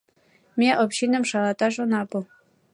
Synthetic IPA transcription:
mʲeʔopɕinɤ̆mʂɑlˠɑt̪ɑʒŏnɑbu

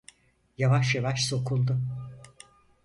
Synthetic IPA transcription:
javaʃjavaʃso̞kʰulˠd̪ʊ

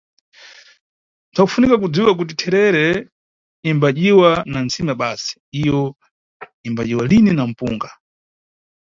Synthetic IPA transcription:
ntʰakufunikak̬ud͡ziwak̬ut̬itʰɛɾɛɾɛ | imbaʄiwanant͡simaɓasi̥ijɔ | imbaʄiwalininam̩pṵːŋɡa

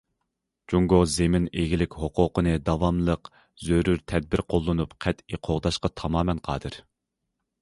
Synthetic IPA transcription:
d͡ʒuŋɡozemɪneɡʲilɪkʲhoqʊːqənɨd̪ɑwɑmlˠəq | zøɾuɾt̪ʰɛd̪̚bɪɾqʰolˠːɨnupqʰɛt̪iqʰoʁd̪ɑʃqɑt̪ʰɑmɑːmɛnqʰɑ̰ːd̪ɨɾ

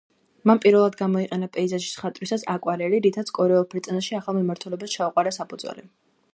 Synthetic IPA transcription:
manpʼiɾvɛlˠad̪ɡamɔiqʼɛnapʼɛizaʃi̥sχat̪ʼɾisasakʼwaɾɛɾiɾit̪ʰat̪sʰkʼɔɾɛɔlˠpʰɾit̪sʼɛnaʃiaχalˠmimaɾt̪ʰulɛbast͡ʃʰauqʼwaɾasapʰud̪zwɛ̰li

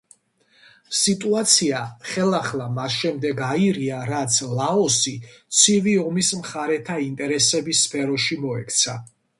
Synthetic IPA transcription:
sit̪ʼuat̪sʰiaχɛlaχlˠamasʃɛmd̪ɛɡaiɾiaɾat̪sʰlaɔsit̪sʰiviɔmismχaɾɛt̪ʰaint̪ʼɛɾɛsɛbisːpʰɛɾɔʃimɔɛkʰt̪sʰa

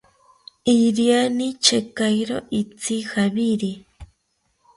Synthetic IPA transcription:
iɾianit͡ʃekajɾo̰ʔit͡sixaβiɾi

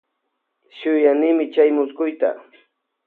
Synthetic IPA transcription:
ʃʊjanɪmɪt͡ʃajmʊskʊjt̪a̰

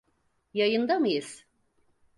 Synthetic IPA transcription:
jajɯnd̪amɯjɯz̥

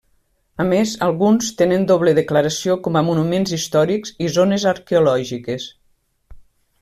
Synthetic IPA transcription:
amezalˠɣunst̪enend̪oβleðeklaɾasiokɔmamunumenzist̪ɔɾikzizonezaɾkeulɔʒikes

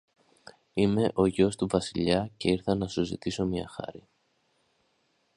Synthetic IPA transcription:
ime̞ʔo̞ʝo̞st̪uvɐsiʎɐce̞iɾθɐnɐsuzḭt̪iso̞mɲɐ̰xɐ̰ɾi

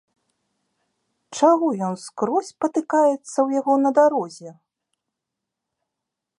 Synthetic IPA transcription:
t͡ʂaɣɔjɔnskɾɔsʲpɐt̪ɨkajɛt̪sːɐwjaɣɔnɐd̪aɾɔzʲɛ

